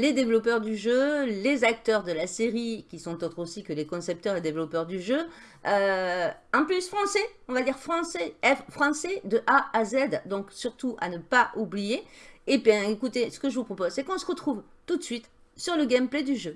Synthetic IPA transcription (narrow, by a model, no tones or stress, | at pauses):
led̪evlɔpœʁd̪yʒølezak̚t̪œʁd̪əlaseʁikʲisɔ̃t̪ot̪χosikəlekɔ̃sɛp̚t̪œʁed̪evlɔpœʁd̪yʒø | ø | ɑ̃plysfχɑ̃sɛ | ɔ̃vad̪iʁfχɑ̃sɛɛffχɑ̃sɛd̪əʔaːzɛd̪d̪ɔ̃ksyʁt̪uʔa̰nəpaʔublijeːbjɛ̃ekut̪esə̥kəʒəvupχɔpozsɛkɔ̃səʁət̪χuvt̪ut̪sɥit̪ | syʁləɡʲɛmpled̪yʒø